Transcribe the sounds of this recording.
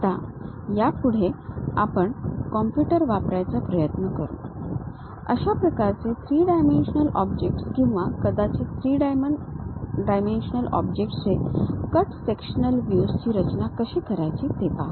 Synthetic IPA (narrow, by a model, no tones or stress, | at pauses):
t̪a | japuɽ̤ea̰pəɳkɔmpjuʈəɾʋapɾajt͡sapɾəjət̪nəkəɾṵːn | ə̰ɕapɾəkaɾt͡set̪ʰɾiːɖajmenɕənəlɔbd͡ʑek̚ʈskĩw̃ʋakəd̪at͡set̪ʰɾiːɖajməɳɖajmenɕənəlɔ̰bd͡ʑek̚ʈt͡sekəʈsekɕənəlʋjust͡ɕiːɾət͡ɕnakəɕiːkəɾajt͡ɕiːt̪epa̰